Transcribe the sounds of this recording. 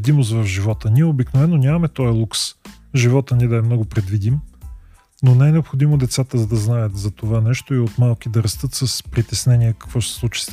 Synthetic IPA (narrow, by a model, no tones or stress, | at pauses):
d̪imos̬t̪vɐvʒivɔt̪əniɛobiknovɛnːonʲamɐmɛt̪ɔɛlˠuks | ʒivɔt̪əniɛd̪ɐɛmnɔɡʊpɾɛd̪vid̪im | nonɛɛnɛopxod̪imod̪ɛt̪sat̪əzɐd̪ɐznajət̪zɐt̪ovanɛʃt̪oiot̪malˠkid̪ɐɾɐst̪ɤt̪səspɾit̪ɛsnɛniɛkɐ̥kvɔʃt̪ɛ̥slˠut͡ʃi̥s